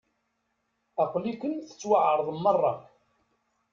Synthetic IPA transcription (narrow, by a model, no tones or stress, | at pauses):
ɑqlikʷənθə̥t͡sːwaʕəɾˤðˤəmːərˤːɑ